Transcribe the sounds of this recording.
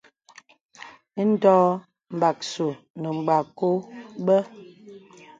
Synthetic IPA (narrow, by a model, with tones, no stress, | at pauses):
n̩˦dɔː˦ | m̩˨ba˨k̚su˨ | nə˨ŋ͡m̩˨ɡ͡ba˨ko˦bə˦